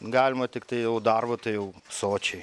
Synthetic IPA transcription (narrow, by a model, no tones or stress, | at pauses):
ɡɑːlʲɪmɐt̪ʲɪkt̪ɐɪjɛʊd̪ɐrbɐt̪ɐɪjɛʊsoːt͡ʃʲɛɪ